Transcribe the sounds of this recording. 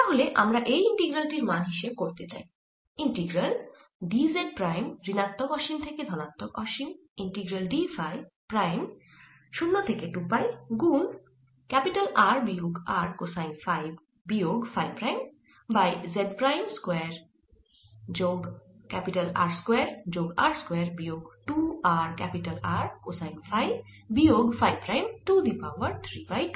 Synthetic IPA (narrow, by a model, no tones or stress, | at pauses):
t̪aɦoleʔa̰mɾaʔejiɳʈiɡɾalʈiɾmanɦiʃeb̚koɾt̪et͡ɕa̰j | iɳʈiɡɾal | ɖizeɖ̚pɾajmɾinat̪ːokɔʃimt̪ʰeked̪ʱɔnat̪ːokɔʃim | iɳʈiɡɾalɖifajpɾajm | ʃunːot̪ʰekeʈupajɡun | kɛpiʈalaɾbioɡaɾkosajnfajb | bijoɡfʰajpɾajm | bajzeɖpɾajmskweɾ | d͡ʒoɡkɛpiʈɐla̰ːɾskweɾd͡ʒoɡa̰ːɾskweɾbijoɡʈuaɾkɛpiʈɐlaɾkosajnfʰaj | bijoɡfʰajpɾajmʈud̪ipawɐɾt̪ʰɾipajʈu